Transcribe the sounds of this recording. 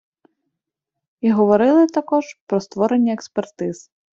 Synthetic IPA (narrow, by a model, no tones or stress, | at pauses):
iɦɔʋɔɾɪlˠɪt̪ɐkɔʒpɾɔst̪ʋɔɾenʲːɐekspert̪ɪz̥